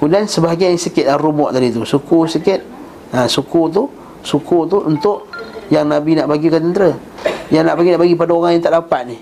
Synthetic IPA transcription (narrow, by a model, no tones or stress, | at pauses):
kudansəbaɡajsəkɪt̪̚lahrumɔʔt̪adit̪usukusəkɪt̪̚ | asukut̪̬u | sukut̪̬uʔunt̪ʊʔjaŋnabinaʔbaɡikat̪ənt̪ɾə | jaŋnaʔbaɡinaʔbaɡipadaoɣaŋjaŋt̪aʔdapat̪̚nih